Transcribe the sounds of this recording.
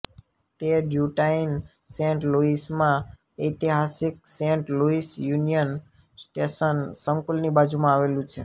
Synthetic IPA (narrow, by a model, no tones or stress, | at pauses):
t̪eɖjuʈainsẽɳʈluismã | əjt̪iɦasik̚sẽɳʈluisjunijən | sʈesənsəŋkulnibad͡ʒumãaʋelũt͡ʃʰe